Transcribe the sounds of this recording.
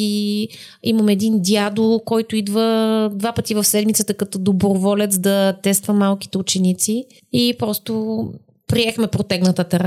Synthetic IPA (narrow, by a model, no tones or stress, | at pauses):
i | iməmɛd̪ind̪iad̪okɔjt̪ʊid̪vəd̪vapət̪ivɐfsɛd̪mit̪sət̪əkɐt̪ɔd̪obɾovɔlɛt̪sd̪ɐt̪ɛst̪vəmalˠki̥t̪ɛʊt͡ʃɛnit̪si | ipɾɔst̪o | pɾiɛxmɛpɾot̪ɛɡnət̪ət̪ɛɾ